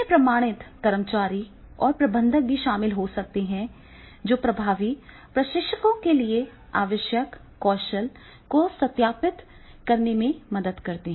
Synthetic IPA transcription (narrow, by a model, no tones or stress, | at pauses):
epɾɐmaːɽ̃ɪt̪ːɐɾəmt͡ʃaːɾi | ɔːɾpɾɐbə̃nd̪ʱək̚bʱiʃaːmɪlɦosɐk̚t̪eɦɛ̃ | d͡ʒoːpɾɐbʱaːʋi | pɾɐʃɪkʃəkõkelie | a̰ːʋəʃjəkː | ɔːʃəl | kosɐt̪jaːpɪt̪ | kɐɾnemẽmɐd̪əd̪kɐɾt̪eɦɛ̃ː